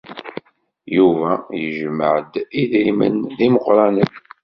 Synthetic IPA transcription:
juvæjəʒməʕəd̪iðɾimə̰nðiməqɾˤɑnən

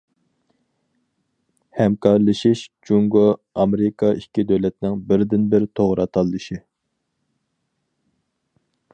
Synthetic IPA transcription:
hɛmkʰɑɾlˠɨʃiʃd͡ʒuŋɡoɑmɾɪkʰɑikʲːid̪øwlɛt̪nɪŋbɪɾd̪ɪnbɪɾt̪ʰoʁɾɑt̪ʰɑlˠːɨʃi

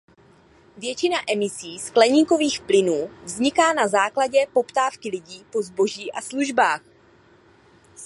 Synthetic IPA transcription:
vjɛt͡ʃɪnaʔɛmɪsiːsklɛɲiːko̞viːxplɪnuːvzɲɪkaːnazaːklaɟɛpo̞pt̪aːfkɪlɪɟiːpo̞zbo̞ʒiːʔasluʒbaːx

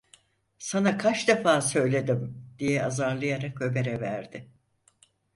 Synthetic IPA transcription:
sanakʰat͡ʃd̪efaːsø̞jlʲe̞d̪imd̪̥ijɛazaɾlˠɯjaɾakø̞be̞ɾɛvæ̰ɾd̪ɪ

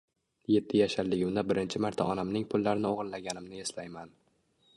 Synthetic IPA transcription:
je̞t̪ʰːɪjaʃaɾlɪɡʲʊmd̪abɪɾɪnt͡ʃʰɪmaɾt̪ʰa̰ʔɒnamnɪŋpʰʊlːaɾɪnɪoʁɨnlaɡʲanɪmnɪe̞slajman

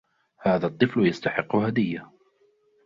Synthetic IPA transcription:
haːðat̪ˤːɨfljast̪aħɪqːʊhad̪ɪjːa

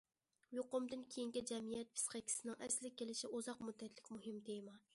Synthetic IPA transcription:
joqʊmd̪ɨnkʲʰejiŋkʲid͡ʒɛmijɛt̪̚pʰɨ̥sqekʲʰi̥sɪnɪŋʔæɾsɪlɪk̚ʲʰːelɪʃɪʔozɑqmud̪ːɛt̪ʰlɪkʲmuɦɪmd̪ejmɑ

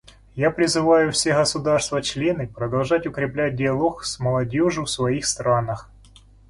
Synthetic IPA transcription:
japɾʲɪzɨvajʊfsʲeɣəsʊd̪arst̪vət͡ɕlʲenɨpɾəd̪ɐlˠʐatʲʊkɾʲɪplʲæt̚ʲdʲɪɐlˠoksməlˠɐdʲoʐɨfsvɐixst̪ɾanəx

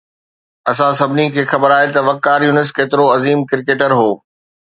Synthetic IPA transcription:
ɐsãsɐbʱɪnikʰeːxɐbəɾaːɦet̪ɐʋɐkːaːɾjuːnɪs̬keːt̪ɪɾoɐziːmkɪɾɪkeːʈəɾɦoː

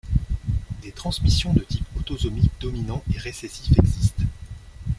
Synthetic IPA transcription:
d̪et̪χɑ̃smisjɔ̃d̪ət̪ipot̪ɔzɔmikd̪ɔminɑ̃ʔeʁesɛsifɛɡzist̪

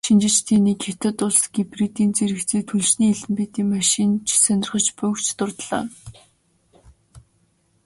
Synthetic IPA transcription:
ʃint͡ɕɪ̆t͡ɕt̪ʰiːniːkxet̪ɘ̆t̪ʊɮsɡ̥iprit̪iːnt͡seɾɘ̆kt͡seːt̪ʰuɮʃniːɮɘ̆mpeːt̪iːŋmaʃint͡ɕʰsœnʲɪ̆rχə̆t͡ɕpʊkt͡ɕʰt̪ʊrt̪ɮa̰ː

